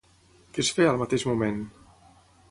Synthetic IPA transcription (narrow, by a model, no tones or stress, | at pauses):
kisfealmat̪eʃmumɛn